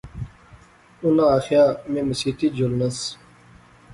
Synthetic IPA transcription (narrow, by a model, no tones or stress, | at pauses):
unaːxjaːmẽmɐsit̪id͡ʑolnɐs